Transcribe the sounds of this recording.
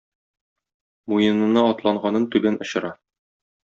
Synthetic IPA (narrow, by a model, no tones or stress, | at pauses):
mujɤ̆nɤ̆nɑɒt̪lˠɑɴɢɑnɤnt̪ʉbænʔŏɕɤ̆ɾɑ